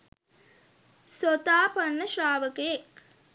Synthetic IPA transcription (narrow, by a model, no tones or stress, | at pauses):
sot̪aːpɐnːəʃɾaːʋəkejek